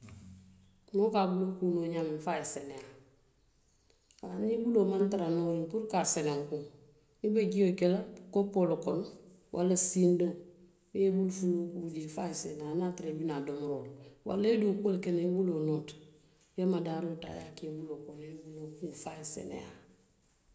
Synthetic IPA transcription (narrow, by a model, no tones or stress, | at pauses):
nokaːbulokunoɲamiɱfaːjeseneja | anibulomantaɾanoːiŋkuɾkaseneŋku | ibeɡijokelakopːolokon | wʔalasiːndo | webulfulokud͡ʒifajisenanaːtiɾebinadomɾolwa̰leduoːkuolkenaibulonot | jemadaːɾota̰ja̰keːbulokonebulokufaːjisḛnḛja̰ː